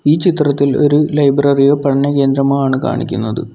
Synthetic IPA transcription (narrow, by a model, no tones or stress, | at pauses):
iːt͡ɕit̪rɐt̪ːilo̞̰ɾulɐjbrɐriɣɐpɐɳɳːɐke̞ːnd̪ɾɐmaːɳɨka̰ːɳḭkʲːunːɐðɨ̰